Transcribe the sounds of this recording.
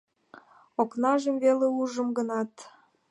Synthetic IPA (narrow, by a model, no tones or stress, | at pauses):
oknɑʒemveleuʒə̆mɡənɑt̪